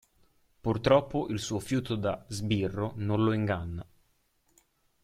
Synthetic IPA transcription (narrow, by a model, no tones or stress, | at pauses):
purt̪ɾɔpːoʔilsuːofjuːt̪od̪azbirːononloiŋɡanːa